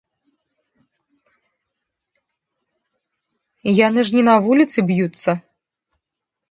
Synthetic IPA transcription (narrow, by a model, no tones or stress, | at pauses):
janɨʐnʲɛnavulʲit̪sɨbjut̪sːɐ